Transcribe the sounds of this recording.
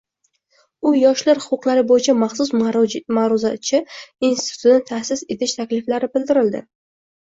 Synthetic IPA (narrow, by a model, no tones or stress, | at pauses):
ʊjɒʃlaɾhʊqʊqlˠaɾɪbojɪt͡ʃʰamaχsʊsmaɾʊzat͡ʃʰɪinsʰɪt̪ʰt̪nɪt̪ʰasɪse̞t̪ʰɪʃt̪ʰakʲlɪflaɾɪbɪld̪ɪɾɪld̪ɪ̰